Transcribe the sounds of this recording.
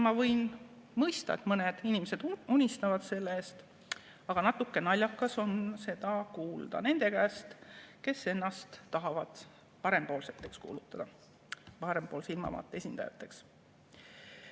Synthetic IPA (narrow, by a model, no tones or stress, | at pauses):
mɑvɤ̞jn | mɤjst̪ɑ̰e̞t̪mɤned̪̥inimese̞d̪̥unʲist̪ɑvɑd̪̥se̞lːeeːst̪ | ɑɡ̥ɑnɑt̪ːˑukːˑe̞nɑlʲjɑkːˑɑso̞nse̞d̪̥ɑkuːld̪̥ɑ̰ne̞nd̪̥e̞kæːst̪ke̞sːe̞nːɑst̪ːɑɦɑvɑd̪̥ | pɑɾe̞mpo̞ːlset̪ːˑe̞kskṵːlut̪ːˑɑd̪̥ɑ | pɑɾempoːlseilmɑ̰vɑ̰ːt̪ːˑeesʲind̪̥ɑ̰jɑ̰t̪ːˑeks